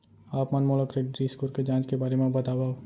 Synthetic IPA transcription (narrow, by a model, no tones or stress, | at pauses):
aːpmɐnmoləkɾeɖɾiːskuɾked͡ʒãːt͡ʃkebaːɾemẽbɐt̪aːbaː